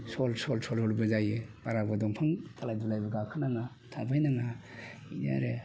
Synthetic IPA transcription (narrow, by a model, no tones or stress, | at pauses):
sɔlsɔlsɔlhɔlbazajepaɾabadɔŋpʰaŋtalajdulajbaɡakʰanaŋa | tʰabajnaŋainia̰ɾe